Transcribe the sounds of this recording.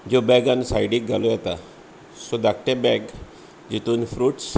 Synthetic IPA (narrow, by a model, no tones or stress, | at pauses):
d͡ʑobɛɡansajɖiːk̚ɡalojɛt̪a | sod̪ak̚ʈebɛɡ | d͡ʑit̪uːnfɾuːʈs